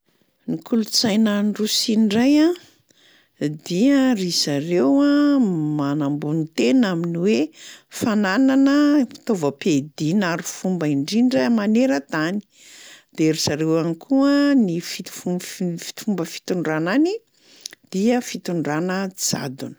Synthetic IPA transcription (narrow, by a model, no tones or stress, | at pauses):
nikulut͡sajnaɳɖ͡ʐusinɖ͡ʐajã | d̪iərisaɾewamanambunit̪enaminiwefanananəi̥t̪ovəped̪inaɾufumbaiɳɖ͡ʐiɳɖ͡ʐəmaneɾət̪ani̥ | d̪̥eɾisaɾewanikʰuənifi̥fufi̥t̪fumbəfi̥t̪uɳɖ͡ʐanani | d̪̥iəfit̪uɳɖ͡ʐanəd͡za̰d̪unə̥